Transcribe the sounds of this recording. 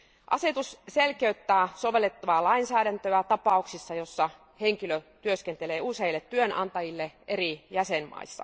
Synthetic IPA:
ʔɑ̰se̞t̪usselkeyt̪ːæːsoʋe̞lːet̪ːɑʋɑːlɑinsæːɾænt̪øæt̪ɑpɑˑuksisːɑjo̞sːɑ | heŋkiløt̪yøskent̪eleːuseilːet̪tyønʔɑ̰nt̪ɑjilːeʔerijæsenmɑ̰isːɑ̰

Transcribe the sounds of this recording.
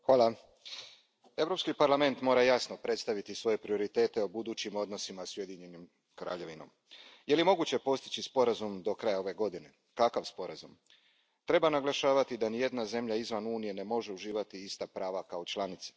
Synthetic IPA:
xʋaːlˠa | e̞ʋɾo̞pskipaɾlˠame̞nt̪mo̞ːɾajasno̞pɾe̞t̪st̪aʋit̪isʋo̞je̞pɾio̞ɾit̪e̞ːt̪eobud̪uːt͡ɕimo̞d̪no̞simasuje̞d̪iɲenim | kɾa̰ːʎe̞ʋino̞̰m | je̞limo̞ɡut͡ɕe̞po̞st̪i̥t͡ɕispo̞ɾazumd̪o̞kɾajao̞ʋe̞ɡo̞d̪ine̞ | kakaʋspo̞ɾazum | t̪ɾe̞banaɡlˠaʃaːʋat̪id̪anije̞d̪naze̞mʎaizʋanuːnije̞ne̞mo̞ʒe̞uʒiːʋat̪iist̪apɾaːʋakaot͡ʃlˠanit̪sḁ

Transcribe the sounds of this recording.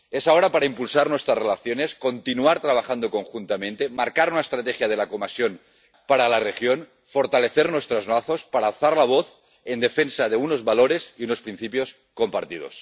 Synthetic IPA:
esaoɾapaɾaimpulsaɾnwest̪ɾarelaθjonesko̞nt̪inuaɾt̪ɾaβ̞axand̪oko̞ŋxunt̪amẽnt̪emaɾkaɾunaest̪ɾat̪exjað̞e̞lakomasjon | paɾalarexjon | foɾt̪ale̞θeɾnwest̪ɾoznaθo̞spaɾaːlθaɾlaβoθ | end̪e̞fensað̞euno̞zβaloɾesiuno̞spɾin̟θipjo̞s | ko̞mpaɾt̪ið̞o̰s

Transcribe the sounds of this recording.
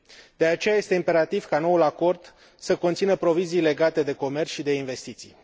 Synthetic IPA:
d̪̥e̞at͡ʃe̞jaje̞st̪e̞impe̞ɾat̪iv̥kano̞ulako̞rd̪̥ | səko̞nt̪sinəpɾo̞vizijle̞ɡat̪e̞d̪e̞ko̞me̞rʃid̪e̞inve̞st̪it̪sḭj

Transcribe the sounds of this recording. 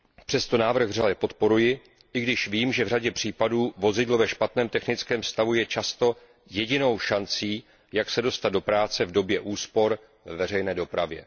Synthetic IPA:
pr̝̥ɛst̪o̞naːvr̩ɣvralɛpo̞t̪po̞ɾujɪ | ʔɪɡdɪʃviːmʒɛvr̝aɟɛpr̝̥iːpaduːvo̞zɪdlovɛʃpat̪nɛːmt̪ɛxnɪt͡skɛːmfst̪avujɛt͡ʃast̪o̞ | jɛɟɪno̞wʃant͡siː | jaksɛdo̞st̪at̪d̪̚do̞pɾaːt͡sɛvdo̞bjɛʔuːspo̞ɾ | vɛvɛrɛjnɛːdo̞pɾavjɛ̰

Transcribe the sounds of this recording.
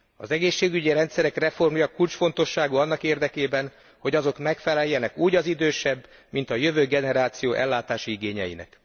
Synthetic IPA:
ɒ̰zɛɡeːʃːeːɡyɟiɾɛnt̪sɛɾɛkrɛfo̞rmjɒkult͡ʃfo̞nt̪o̞ʃːaːɡuɒnːɒkeːrd̪ɛkeːbɛn | ho̞ɟɒzo̞kmɛkfɛlɛjːɛnɛkuːɟɒzid̪øːʃɛbː | mint̪ɒjø̞vøːɡɛnɛɾaːt̪sijoːʔɛlːaːt̪aːʃiiɡeːɲɛjḭnɛ̰k

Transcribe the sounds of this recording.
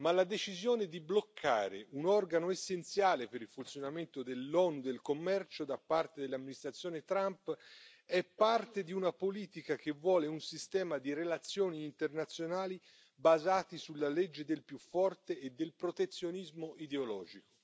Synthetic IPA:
malːad̪et͡ʃizjoːned̪iblokʰːa̰ːɾḛʔunɔrɡanoesːent̪sjaːlepeɾilfunt̪sjonament̪od̪elːɔːnud̪elkomːɛrt͡ʃod̪apːart̪ed̪elːamːinist̪ɾat̪sːjoɔːnet̪ɾamp | ɛpːart̪ed̪iunapoliːt̪ikak̟evːwɔːleunsist̪ɛːmad̪iɾelat̪sːjoːniːnt̪ernat̪sːjonaːli | bazaːt̪isulːaled͡ʒːed̪elpjufːɔrt̪eːd̪ːelpɾot̪et̪sːjonizmoid̪eolɔ̰ːd͡ʒiko

